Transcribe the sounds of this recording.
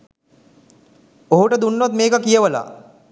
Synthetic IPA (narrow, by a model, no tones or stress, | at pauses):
oɦuʈəd̪unːot̪meːkəkijəʋəla̰